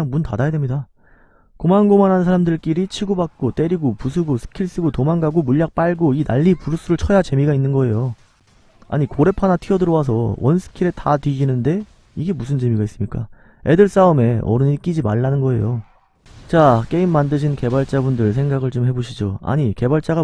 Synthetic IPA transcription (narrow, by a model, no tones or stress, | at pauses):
ŋmuntadajade̞mɲida | komanɡomanɦannsʰaɾamdɯɭk͈iɾit͡ɕʰiɡobak̚k͈ot͈e̞ɾiɡopus̬ʰɯɡosʰɯ̥kʰiɭs͈ɯɡotomaŋɡaɡomuʎːak̚p͈aɭɡoinaʎːipuɾus͈uɾɯɭt͡ɕʰʌjat͡ɕe̞miɡainːɯnɡʌe̞jo | a̰ɲikoɾe̞pʰanatʰiʌdɯɾʌwas̬ʰʌwʌnsʰɯ̥kʰiɾe̞tʰatɥiɕinɯnde̞ | iɡe̞musʰɯnd͡ʑe̞miɡais͈ɯmɲik͈a | e̞dɯɭs͈aɯme̞ʌ̰ɾɯniɭk͈id͡ʑimaɭːanɯnɡʌe̞̰jo | t͡ɕak͈e̞imːandɯɕʰinke̞baɭt͡ɕ͈abundɯɭs̬ʰe̞ŋɡaɡɯɭt͡ɕomɦe̞boɕʰid͡ʑoa̰ɲike̞baɭt͡ɕ͈aɡa